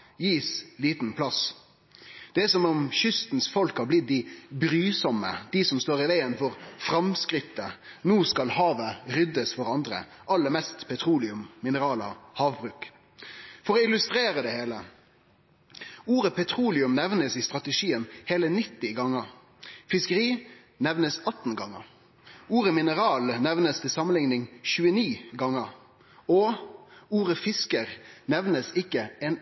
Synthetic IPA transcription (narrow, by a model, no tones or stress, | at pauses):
jiːsliːt̪n̩pʰlɑs | d̪̥ɛsɔmɔmçʏst̪n̩sfɔlkhɑblɪt̪̚d̪ɪbɾyːsɔmːə̰d̪̥ɪsɔmst̪oːʁɪʋæɪənfɔʁfɾɑmskɾɪt̪ːənuːskɑlhɑːʋəɾʏd̪əsfɔɾɑnd̪ɾə̰ | ʔɑlːəmɛst̪pʰɛt̪ʰɾuːlɪʉmːɪnəɾɑːlə̰hɑːʋbʁʉːk | fɔɾɔɪlʉst̪ɾeːɾəd̪ɛheːlə | uːɾəpʰɛt̪ʰʁuːlɪʉmnɛʋnəsist̪ʁɑt̪əʂiːənheːlənɪt̪ːɪɡɑŋːəʁ | fɪskəʁiː | nɛʋnəsɑt̪n̩ɡɑŋːə̰ʁ | uːɾəmɪnəʁɑːlnɛʋnəst̪ʰɪlsɑmənɪŋnɪŋçʉːəniːɡɑŋəʁ | ɔ | uːʁəfɪskəʁnɛʋnəsɪkːəɛn